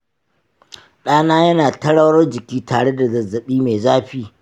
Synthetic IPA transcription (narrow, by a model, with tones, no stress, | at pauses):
ɗaː˦naː˦jɐ˦naː˨tɐ˦ɽɐ˦wɽɐ˦rd͡ʒɪ˨kʲiː˦tʰaː˨ɽe˦da˨zɐ˨zɐ˨ɓiː˦meː˨zaː˦ɸiː˦